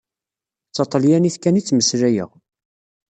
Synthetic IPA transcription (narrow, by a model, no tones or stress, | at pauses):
t͡sːɑt̪ˤəljæniθkænit͡sːməsɾæjə̰ʁ